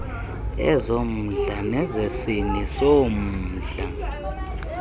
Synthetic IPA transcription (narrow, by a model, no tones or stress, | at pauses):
ɛ̰zom̩ɮanɛzesinisom̩ːɮa